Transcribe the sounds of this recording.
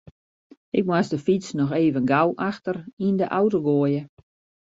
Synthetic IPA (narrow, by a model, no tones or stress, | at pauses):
ɪk̚masdəfit͡snɔxeːvənɡawʔaxtərindəʔawtoɡoəjə